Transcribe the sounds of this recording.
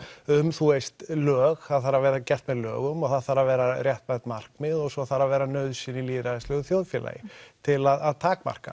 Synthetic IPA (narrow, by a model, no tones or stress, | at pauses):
ʏmθuejst̪lœːɣθaðθaɾavɛːɾðacɛht̪mɛðlœ̰ːɣʏmaθaðθaɾavɛːɾarjɛht̪mɛt̪mar̥kmɪðɔɣsɔθaɾavɛːɾanœːɥðsɪniliːðɾaðɪslœɣʏθjoːwðfjɛla̰jɪ̰t̪ʰɪlaðaðt̪ʰaːkma̰r̥ka̰